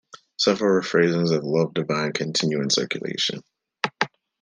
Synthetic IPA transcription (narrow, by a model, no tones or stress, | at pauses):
sʌfə˞əfɹeɪzɪ̃ŋzʌvlʌvdɨvãɪ̃nkʰɨ̃ntʰɪ̃njʉɨ̃nsɜ̰˞kjɨ̰lḛɪʃɨ̰̃n